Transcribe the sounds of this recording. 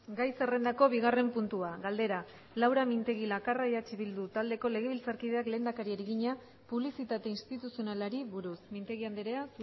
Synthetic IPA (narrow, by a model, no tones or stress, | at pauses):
ɡajse̞re̞nd̪ako̞βiɣ̞are̞mpunt̪uaɣald̪e̞ɾa | lawɾamint̪e̞ɣilakaraiat͡ʃiβild̪ut̪ald̪e̞ko̞le̞ɣ̞e̞β̞ilt͡saɾkið̞e̞akle̞nd̪akaɾieɾeɣiɲa | puβlisit̪at̪e̞inst̪it̪usio̞nalaɾiβuɾusmint̪e̞ɣiand̪eɾeasu